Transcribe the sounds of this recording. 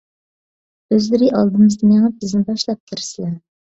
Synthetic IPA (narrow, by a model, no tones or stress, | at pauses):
øzlɪɾɪʔɑlˠd̪ɨmɨzd̪ɨmeŋæb̥ɪznɪbɑʃlˠɑp̚k̪ʲʰɪɾsɪlɛ